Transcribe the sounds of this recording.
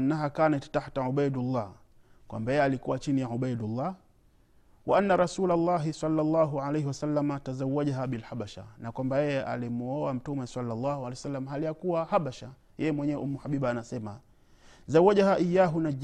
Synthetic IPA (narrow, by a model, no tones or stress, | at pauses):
nːaɦakanɛti̥taħtaʕuɓajdulˤːɑː | kwa̰mbajɛjɛalikuwat͡ʃinijaʕuɓajdulˤːɑ | waʔanːaɾasuːlalːɑɦisɑlːalˤːɑːɦuʕalejɦiwasalːamatazawaʄaɦaɓilhaɓaʃa̰nakwambajɛjɛʔa̰limuɔwam̩tumɛsalːalˤːɑːhualɛsalːamaɦalijakuwahaɓaʃa | jɛjɛmwɛɲɛwɛʔumːuhaɓiɓaːnasɛma̰ | zawːaʄaɦaʔijaːɦunad͡ʒ